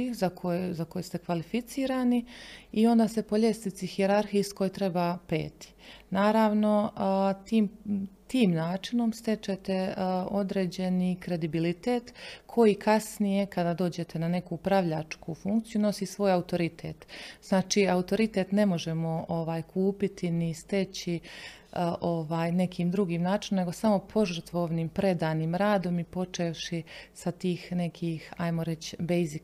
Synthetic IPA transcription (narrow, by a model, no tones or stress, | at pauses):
izakʰojzakojest̪e̞kʋalifit̪siːɾaːniio̞nd̪aːse̞po̞ʎe̞snit̪sixieɾaɾxisko̞jt̪ɾe̞baːpe̞̰ːt̪i̥naːɾaːʋno̞t̪iːmt̪iːmnaːt͡ʃino̞mst̪e̞t͡ʃet̪e̞o̞d̪ɾeːd͡ʑe̞nikɾe̞d̪ibilit̪eːt̪kʰo̞jikʰasnije̞kad̪aːd̪o̞ːd͡ʑe̞t̪ʰe̞nane̞kupɾaʋʎat͡ʃkufuŋkt̪sijuno̞sisʋo̞ːjaut̪o̞ɾit̪ʰḛːt̪z̥naːt͡ʃiːaut̪o̞ɾit̪e̞t̪ne̞mo̞ʒe̞mo̞oʋaːjkʰuːpit̪ʰinist̪et͡ɕi | ʔoʋaːjne̞kʰiːmd̪ɾuɡiːmnaːt͡ʃinomne̞ɡo̞samo̞pʰo̞ʒrt̪ʋoʋniːmpɾe̞d̪aːniːmɾaːd̪o̞mipo̞t͡ʃeʃisat̪iːxne̞kʰixajmo̞ɾe̞t͡ɕbejzik